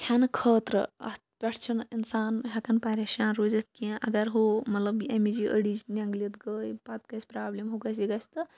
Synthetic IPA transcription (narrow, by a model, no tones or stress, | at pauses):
kʲʰanɨkʰəːt̪ɾə̰ɐ̰spʲɐʈʰt͡ʃʰuninsaːnɦʲɐkɐnpɐɾʲeːʃaːnɾoːzɐt̪̚kĩʔɐ̰ɡɐɾɦomɐt̪lɐbɐmid͡ʒiʔə̰ɽit͡ʃnʲɐŋɡlit̪ɡəːjpɐt̪kɐsʲpɾaːblimɦokɐs̬iɡɐst̪ɨ